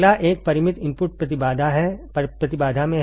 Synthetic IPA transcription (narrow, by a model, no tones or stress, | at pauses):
laʔeːk̚pɐɾɪmɪt̪ɪ̃mpʊʈ̚pɾɐt̪ɪbaːd̪ʱaɦɛ | pɾɐt̪ɪbaːd̪ʱamẽ